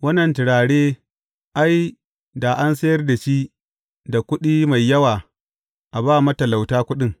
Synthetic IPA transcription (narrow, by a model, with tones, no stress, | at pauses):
wɐ˦nːɐ˨ntɪ˨ɽaː˨ɽeː˦ | ʔa˦j | da˨ʔa˦nsɐ˦jɐ˦rda˨ʃi˦ | da˨kʷʊ˦ɗiː˦ma˨jːɐ˦waː˨ | ʔa˨baː˦mɐ˦tɐ˨la˨wtaː˦kʷʊ˦ɗɪ˦ŋ